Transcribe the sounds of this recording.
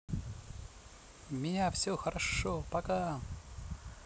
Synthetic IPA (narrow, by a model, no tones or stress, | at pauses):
mʲɪnʲafsʲoxɐɾɐʂopɐka